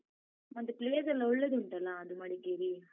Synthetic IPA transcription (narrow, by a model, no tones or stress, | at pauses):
mɐnd̪upleːɐsɐlːɐɔɭːɐd̪uɳʈɐlːɐːd̪umɐɽiɡeɾi